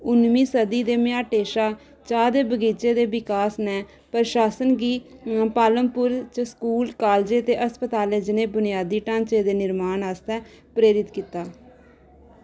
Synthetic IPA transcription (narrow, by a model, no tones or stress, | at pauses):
ʊnmiːsəd̪iːd̪eːmɪjaːʈeːʃaː | t͡ʃaːd̪eːbəɡiːt͡ʃeːd̪eːbɪkaːsnɛː | pəɾʃaːsənɡiːpaːləmpʊɾt͡ʃəskuːlkaːld͡ʒeːt̪eːʔəspət̪aːleːd͡ʒɪnẽːbʊnɪjaːd̪iːʈãːnt͡ʃeːd̪eːnɪɾmaːnaːst̪ɛː | pɾeːɾɪt̪kiːt̪aː